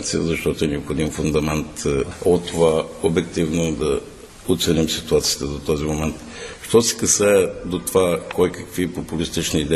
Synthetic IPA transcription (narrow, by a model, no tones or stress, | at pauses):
t̪siəzɐʃt̪ɔt̪oɛnɛopxod̪imfund̪ɐmɛnt̪ot̪ːovaobɛk̚t̪ivnod̪ɐ | ot̪sɛnimsit̪uat̪siə̥t̪əd̪ot̪ɔzimomɛnt̪ | ʃt̪ɔsɛ̥kɐsɛɛd̪ot̪ovakɔjkəkvipopulist̪it͡ʃniːd̪ɛ